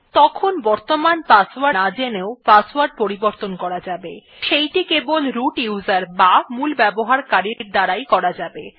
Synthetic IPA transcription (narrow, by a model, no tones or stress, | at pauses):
t̪ɔkʰonbɔɾt̪omanpaswanad͡ʑeneopaswaɾɖ̚poɾiboɾt̪onkɔɾad͡ʑabe | ʃejʈikebolɾuʈjuwzaɾbamulbɛboɦaɾkaɾiɾd̪aɾajkɔɾad͡ʑabe